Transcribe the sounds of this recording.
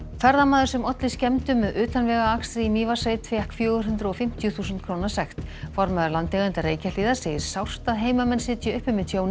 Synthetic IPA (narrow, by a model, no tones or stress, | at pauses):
fɛɾðamaːðʏɾsɛmɔt̪lɪscɛmt̪ʏmːɛðʏːt̪anvɛːɣaakst̪ɾɪimiːvasejt̪ʰvjɛhkfjœːɣʏɾɦʏnt̪ɾaɔfɪm̥t̪jʏθuːsnt̪̚kʰɾoːwnḁsɛxt̪fɔɾmɛðʏɾlant̪ɛɣɪnt̪areːjcaliːðḁseːjɪɾ̥saw̥st̪aðɦeːjmamɛnsɪt̪ʰɪʏhpʏmɪsjoːwn